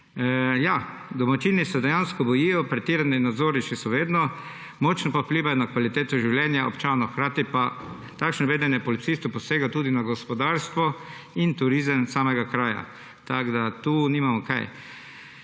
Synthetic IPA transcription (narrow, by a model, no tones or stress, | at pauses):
ja | d̪ɔmat͡ʃinisɛd̪ɛjanskɔbɔjijɔpɾɛt̪iːɾaninad̪zoːɾniʃisɔʋeːd̪nɔ | mɔt͡ʃnɔpapliːʋajɔnakʋalit̪eːt̪ɔʒiwljɛnjaʔɔpt͡ʃaːnɔwxkɾaːt̪ipa | t̪akʃnɔʋeːd̪ɛnjɛpɔlit̪sist̪ɔpɔseɡat̪uːd̪inaɡɔspɔd̪aɾst̪ʋɔ | int̪uɾizəmsaːmɛɡakɾaːja̰ | t̪aɡd̪at̪uːnimamɔka̰j